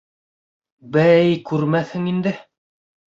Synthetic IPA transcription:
bæjkʉɾmæθhɘŋind̪ɘ

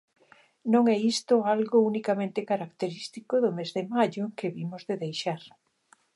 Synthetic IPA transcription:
nõŋɛist̪ʊalɣʊunikamẽnt̪ɪkaɾakt̪eɾist̪ikʊðʊmezðemaʎʊŋkeβimʊzðeðejʃaɾ

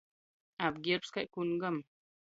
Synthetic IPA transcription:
ab̚ɡeɾpskaʔkunɡəm

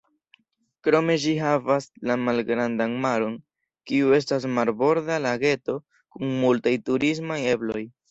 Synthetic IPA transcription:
kɾo̞me̞d͡ʒiɦavaslamalɡɾandanmaɾo̞n | kiue̞s̬tas̬maɾbo̞ɾdalaɡe̞to̞ | kuŋmultajtuɾis̬maje̞blo̞j

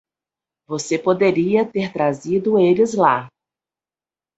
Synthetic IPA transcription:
vosepod̪eɾiɐt̪eɾt̪ɾazid̪ʊelɪzla̰

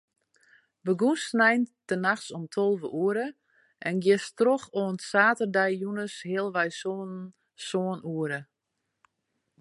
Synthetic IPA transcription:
bəɡunsnɛjntənaxsɔmtʰolˠvəʔuəɾə | ɛnɡjɪstroxoənsaːtərdɛjjunəshɪəlˠʋɛjson | soːənuəɾə

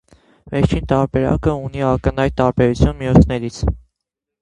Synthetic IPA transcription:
vɛɾt͡ʃʰint̪ɑɾbɛɾɑ̰kəuniɑkənɑjt̪̚t̪ːɑɾbɛɾut͡sʰjunmijɔt͡sʰnɛɾit͡sʰ

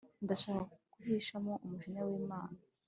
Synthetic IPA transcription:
ndaʃaːkakkuβiːʃamoʔumuʃiɲawiːmaːna

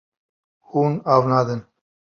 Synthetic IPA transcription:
huːnaːvnaːd̪ɨn

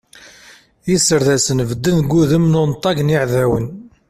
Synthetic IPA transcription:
jisəɾðæsənvəd̪ːənɡːuðəmnʊnt̪ˤːɑɡənjiʕðæwən

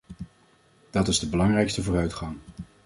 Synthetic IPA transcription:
d̥ɑtɪzdəbəlɑŋrɛjkstəvʊːrœɥtχɑŋ

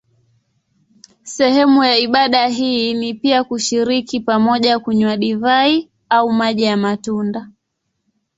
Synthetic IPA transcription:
sɛhɛmujaiɓaɗaɦinipiakuʃiɾikipamɔʄakuɲwaɗivai | aumaʄijamatunda

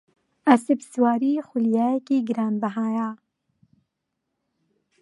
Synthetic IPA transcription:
asebswaːɾiːxulijaːjɛkiːɡɨɾaːnbaɦaːjaː

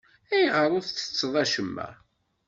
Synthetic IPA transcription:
æjʁəɾˤoθθə̥t͡sːəðˤæʃəmːæ̰

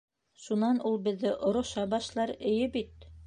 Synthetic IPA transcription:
ʃunɑnʔulˠbɘ̆ðːɘʔŏɾŏʃɑbɑʃlˠɑɾɘ̆jɘbit̪̚

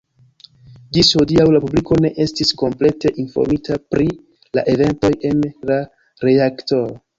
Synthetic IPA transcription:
d͡ʒishodiawlapubliko̞ne̞ʔe̞stisko̞mple̞te̞ʔinfo̰ɾmitʰapɾi | la̰ʔe̞ve̞nto̞je̞nla | ɾe̞akto̞

